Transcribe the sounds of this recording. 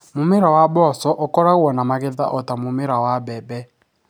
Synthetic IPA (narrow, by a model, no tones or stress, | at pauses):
momeɾawabɔsɔʔokɔɾaɣwɔnamaɣeða̰ʔɔtamomeɾawabɛbɛ